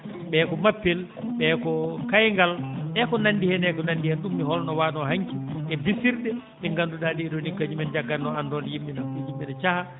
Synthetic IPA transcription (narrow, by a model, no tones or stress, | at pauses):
ɓɛːkɔmapːɛl | ɓɛkɔkajŋɡalɓɛkɔnandihɛnɛkɔnandihɛnɗumːiɦɔlnɔwaɗɔhaɲkiʔɛbisiɾɗɛ | ɗɛŋɡanduɗadiɛɗɔnikːad͡ʒimɛnd͡ʒaɡːanːɔandɔnɛjimːinaujimbinat͡ʃaha